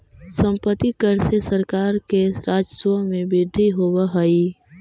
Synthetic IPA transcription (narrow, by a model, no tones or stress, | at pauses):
sə̃mpət̪ːikəɾsesəɾkaːɾkeɾaːd͡ʒswəmẽbɪɾd̪ʱiɦowəɦəi